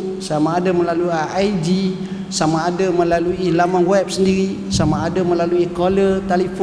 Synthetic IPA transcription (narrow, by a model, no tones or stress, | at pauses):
samaːdaməlaluaajd͡ʒi | samaːdaməlaluilamanwɛp̚səndiɾi | samaːdaməlaluikolət̪alif